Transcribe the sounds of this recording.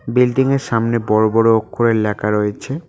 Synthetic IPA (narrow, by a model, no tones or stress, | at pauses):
bilɖiŋeɾʃamnebɔɾobɔɾookʰːoɾeɾlɛkaɾojet͡ɕʰe